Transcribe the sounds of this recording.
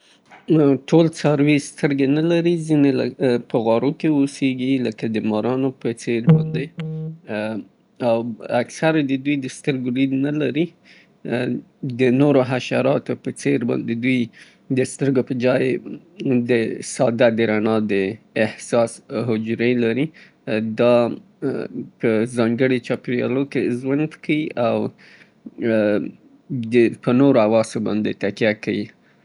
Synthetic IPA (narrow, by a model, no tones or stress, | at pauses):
ʈolt͡sɑɾwist̪əɾɡenalaɾizineləpəɣɑɾokeoseɡiləkad̪əmɑɾɑnopət͡seɾbɑnd̪e | awaksaɾad̪əd̪ujd̪əst̪əɾɡoɾid̪nalaɾi | d̪ənoɾoɦaʃa̰ɾɑt̪opət͡seɾbɑ̰nd̪ed̪uj | d̪əst̪əɾɡopəd͡ʒɑj | d̪əsɑd̪ad̪əɾanɑd̪əɪhsɑsɦʊd͡ʒɾelaɾi | d̪ɑ | pəzɑŋɡəɽet͡ʃɑpɾjɑ̰lokeʒwand̪kʰawiʔaw | d̪əpənoɾoawɑsobɑ̰nd̪et̪akjakawi